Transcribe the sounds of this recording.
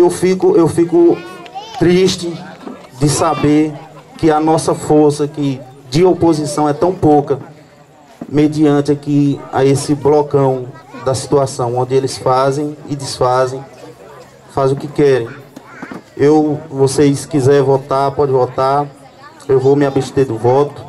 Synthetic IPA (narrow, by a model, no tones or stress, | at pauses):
ewfikʊʔewfikʊt̪ɾiʃt͡ʃɪ | d͡ʒɪsabeɾkɪɐnɔsɐfoɾsɐkɪd͡ʒɪopozisɐ̃w̃ɛt̪ɐ̃w̃pokɐ | med͡ʒiɐ̃nt̪ɪakia̰esɪblɔkɐ̃w̃d̪ɐsi̥t̪uasɐ̃w̃õd͡ʒɪelɪsfazẽj̃ɪd̪ɪsfazẽj̃ | faz̃ʊkɪkɛɾẽj̃ | ewvoseskizɛɾvɔt̪aɾpɔd͡ʒɪvɔt̪aɾ | ewvomɪabeʃd̪eɾd̪ʊvɔt̪ʊ̥